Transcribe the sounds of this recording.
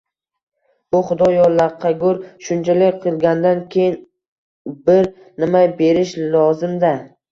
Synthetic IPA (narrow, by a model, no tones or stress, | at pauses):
bʊχʊd̪ɒjɒlˠːaɾqʰɑɡʊɾʃʊnt͡ʃʰalɪk̚ʲqʰɨlˠɡʲand̪ankʲʰe̞jɪn | bɪɾ | nɪmajbe̞ɾɪʃlɒzɪmd̪a